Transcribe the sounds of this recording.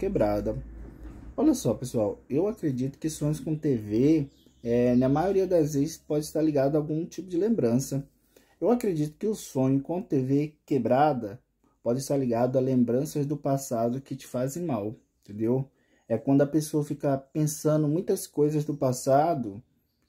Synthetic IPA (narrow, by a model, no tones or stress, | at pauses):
kebɾad̪ɐ | ɔʎɐsɔpesuawewakɾed͡ʒit̪ʊ̥kɪsõɲʊskõt̪eve | ɛnɐmajoɾiɐd̪ɐzvezɪspɔd͡ʒɪist̪aɾliɡad̪ʊawɡũt͡ʃipʊd͡ʒɪlẽmbɾɐ̃sɐ | ewakɾed͡ʒit̪ʊ̥kɪʊsõɲʊkõt̪evekebɾad̪ɐ | pɔd͡ʒɪst̪aɾliɡad̪ʊalẽmbɾɐ̃sɐzd̪ʊpasad̪ʊkɪt͡ʃɪ̥fazẽj̃mawẽnt̪ẽnd̪ew | ɛkwɐ̃nd̪ʊɐpesoɐfikɐpẽsɐ̃nd̪ʊmũj̃t̪ɐskojzɐzd̪ʊpasad̪ʊ